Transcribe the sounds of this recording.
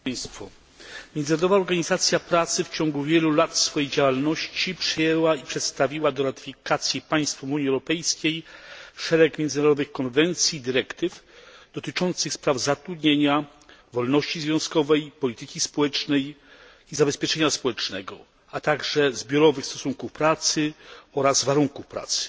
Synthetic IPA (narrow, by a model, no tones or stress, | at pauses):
st̪fɔ | mʲjɛnd̪naɾɔd̪ɔvaɔɾɡaɲizat̪sʲjapɾat̪sɘft͡ɕɔŋɡuvʲjɛlulat̪sfɔjejd͡ʑawalnɔɕt͡ɕipʂɘjɛwaipʂɛt̪st̪avʲiwad̪ɔɾat̪ɪ̥fʲikat̪sʲjipaj̃st̪fɔmuɲiɛwɾɔpɛjskʲejʂɛɾɛkmʲjɛnd̪naɾɔd̪ɔvɘxkɔnvɛnt̪sʲjid̪ɘɾɛkt̪ɘfd̪̥ɔt̪ɘt͡ʂɔnt̪sɘxspɾavzat̪ɾud̪ɲeɲa | vɔlnɔɕt͡ɕizvʲjɔ̃ñskɔvɛjpɔlʲit̪ɘkʲispɔwɛt͡ʂnɛj | izabɛspʲjɛt͡ʂɛɲaspɔwɛt͡ʂnɛɡɔ̰ | at̪aɡʐɛzbʲjɔɾɔvɘxst̪ɔsuŋkufpɾat̪sɘɔɾazvaɾuŋkufpɾa̰t̪sɘ̥